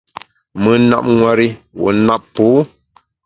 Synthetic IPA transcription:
mɨ˨na̰˦˨p̚ŋwa˨ɾi˦wṵ˨˦na˦ppuː˨˦

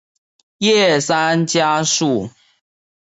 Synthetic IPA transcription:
jɛ˥˨sa˦nt͡ɕja˦ʂu˥˨

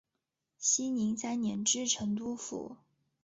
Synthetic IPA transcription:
ɕi˥ni˧˥ŋt͡sa˥˩ɪnjɛ˧˥nʈ͡ʂɻ̩˥ʈ͡ʂʰɤ˧˥ŋt̪̬u˥˩fṵ˨˩˦

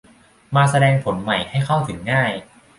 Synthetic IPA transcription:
maː˧sa˧dɛː˧ŋpʰo˩˦nma˨˩jha˥˩jkʰa˥˩wt̪ʰɯ˩˦ŋːaː˥˩j

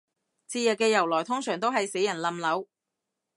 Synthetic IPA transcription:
t͡siː˧jɐː˨˩kːɛː˧jɐ˨˩wlɔː˨˩jt̪ʰʊ˥ŋsœː˨˩ŋt̪o˥wɦɐ˨jse˨˥jɐ˨˩nlɐ˨mlɐ˨˥w

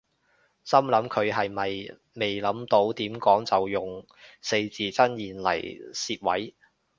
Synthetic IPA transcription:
sɐ˥mlɐ˨˥mkʰɵ˨˧ɥɦɐ˨jmɐ˨j | me˨jlɐ˨˥mt̪o˨˥wt̪iː˨˥mkɔː˨˥ŋt͡sɐ˨wjʊ˨˩ŋ | se˧jt͡siː˨˩t͡sɐ˥njiː˨nlɐ̰˨˩jsiː˧t̚wɐ̰˨˥j

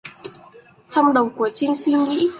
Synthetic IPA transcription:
t͡ɕɔ˧wŋ͡mɗə˨˩wŋ͡mku˧˩ət͡ɕï˧ŋ̟swi˧ŋḭ˧˥

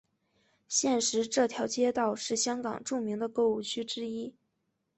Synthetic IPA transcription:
ɕjɛ˥˩nʂɻ̩˧˥ʈ͡ʂɤ˥˩t̪ʰjɑ˧˥ʊt͡ɕjɛ˥t̪ɑ˥˧ʊʂɻ̩˥˩ɕjɑ˥ŋkɑ̰˨˩ŋʈ͡ʂu˥˩mi˧˥ŋd̪ə˧kɤ˥˧u˥˩t͡ɕʰy˥ʈ͡ʂɻ̩˥i˥

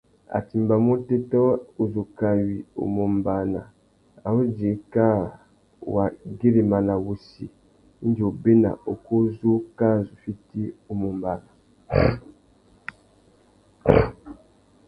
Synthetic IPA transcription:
a̰˨ti˨mba˨mo˦te˦tɔ˦o˨zu˨ka˨wi˨o̰˨mo˨mba˨na̰˨ | a̰˨wo˦d͡ʒe˨˦ka˦˨ | wa˨ɡe˦ɾe˨ma˨na˨wu˨sḭ˨˦ | n˦di˨o˨be˦na̰˨o˨ko˦zo˦ka˦˨zu˨fi˦ti˦o˨mo˨mba˨na˨

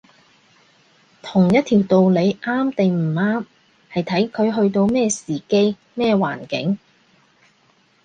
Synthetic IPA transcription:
t̪ʰʊ˨˩ŋjɐ˥t̚t̪ʰiː˨˩wt̪o˨wle˨˧jʔaː˥mt̪e˨jm̩ː˨˩aː˥m | hɐ˨jt̪ʰɐ˨˥jkʰɵ˨˧ɥɦɵ˧ɥt̪o˧wmɛː˥˧siː˨˩ke˥j | mɛː˥˧wa̰ː˨˩nkɪ̰˨˥ŋ

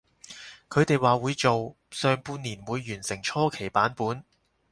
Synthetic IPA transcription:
kʰɵ˨˧ɥt̪e˨jwaː˨wuː˨˧jt͡so˨w | sœː˨ŋpuː˧niː˨˩nwuː˨˧jːyː˨˩nsɪ˨˩ŋt͡ʃʰɔː˥kʰe˨˩jpaː˨˥npuː˨˥n

